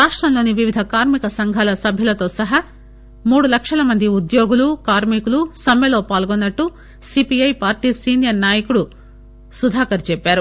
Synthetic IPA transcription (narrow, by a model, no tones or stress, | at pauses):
ɾaːʂʈɾɐmlo̞ːniʋiʋid̪ʱɐkaːɾmikɐsɐŋɡʱaːlɐsɐbʱjɐlɐt̪o̞ːsɐɦɐ | muːɽulɐkʂɐlɐmɐnd̪iud̪jo̞ːɡulukaːɾmikulusɐmːeloːpaːlɡonːɐʈːu | sipiɐjpaːɾʈiːsiːnjɐɾnaːjɐkuɽu | sud̪ʱaːkɐɾt͡ʃɛpːaːɾu